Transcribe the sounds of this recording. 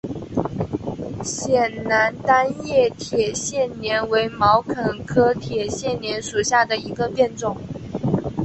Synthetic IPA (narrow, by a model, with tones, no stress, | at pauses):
ɕjɛ˨˩nna˧˥nt̪a˥njɛ˥˩t̪ʰjɛ˨˩ɕjɛ˥˩nnjɛ˧˥nwe˧˥ɪmɑ˧˥ʊkʰə˨˩nkʰɤ˥t̪ʰjɛ˨˩ɕjɛ˥˩nnjɛ˧˥nʂu˨˩ɕja˥˩d̪ə˩i˧˥ɡə˧pjɛ˥˧nʈ͡ʂʊ˥˨˩ŋ